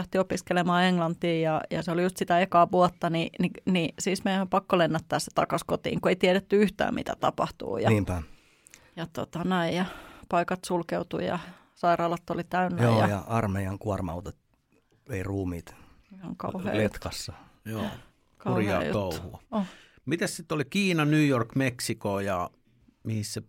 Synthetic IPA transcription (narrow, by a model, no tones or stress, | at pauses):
æht̪iopiskelemɑːeŋlɑnt̪iːjɑjɑ̰seolijust̪sit̪æekɑːʋuɑt̪ːɑnininisiːsmeijæompɑkːolenːæt̪ːæːsse̥t̪ɑkɑskot̪ḭːŋkueit̪iɛɾet̪ːyyht̪æ̰ːmḭt̪æ̰t̪ɑ̰pɑ̰ht̪ṵːjɑ̰niːmpæ | jɑt̪o̰t̪ɑnæijɑpɑikɑt̪sulkeut̪ṵjɑ̰ | sɑirɑːlɑt̪ːolit̪æynːjæojːjɑjɑʔɑrmeiɑŋkuɑrmɑ̰ut̪ɑt̪ | ʋeiruːmḭːt̪ | ihɑŋkɑ̰uhḛːlet̪kɑsːɑ | joː | kɑuurjɑjṵt̪ouhṵɑo | mit̪æssit̪ːolikiːnɑnyːjorkmeksikoːjɑ | mihisse